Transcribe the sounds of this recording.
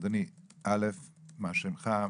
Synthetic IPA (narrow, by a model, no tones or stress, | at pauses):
d̪aniʔalefmaʃemχa